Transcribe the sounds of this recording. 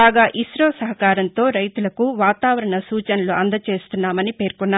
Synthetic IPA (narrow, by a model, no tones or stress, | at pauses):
aːɡaːʔisɾoːsɐɦɐkaːɾɐnt̪o̞ːɾɐjt̪ulɐkuʋaːt̪aːʋɐɾɐɳɐsuːt͡ʃɐnɐluɐnd̪ɐt͡ʃe̞ːst̪unːaːmɐnipe̞ːɾkɔnːaː